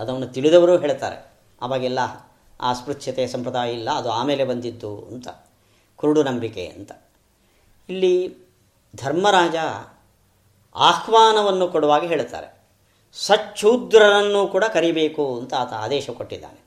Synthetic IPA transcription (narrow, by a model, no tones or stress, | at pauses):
ɐd̪ɐʋɐnːut̪iɭud̪ɐʋɐɾuːɦe̞ːɭt̪a̰ːɾḛ | ɐ̰ʋaːɡilːɐ | a̰ːspɾutʂɐt̪ɛjɐsɐmpɾɐd̪aːjilːɐːd̪uaːmeːle̞bɐnd̪id̪ːṵɐ̰nt̪ɐ | kuɾuɽunɐmbikḛɐ̰nt̪ɐ̥ | ilːi | d̪ʱɐɾmɐɾaːd͡ʒɐ | a̰ːkʰʋaːnɐʋɐnːukoɽuʋaːɡiɦeːɭt̪a̰ːɾḛ | sɐt͡ʃːʰuːd̪ɾɐnɐnːuːkuːɽɐkɐɾibeːkuɐnt̪ɐːt̪ɐaːd̪ɛːʃɐkoʈːid̪ːa̰ːne